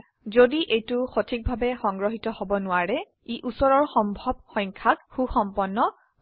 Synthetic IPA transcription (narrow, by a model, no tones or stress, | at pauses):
zodiʔejtʊxotʰik̚bʱabɛxɔŋɡɹɔɦitɔhobɔnʊwaɹɛ | iʔusɔɹɔɹxɔmbʱɔb̚xɔjŋkʰak̚xuxɔmpɔnːɔ